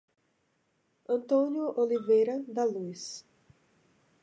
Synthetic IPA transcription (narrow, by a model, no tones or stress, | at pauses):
ɐ̃nt̪õnjʊʔolivejɾɐd̪ɐlujs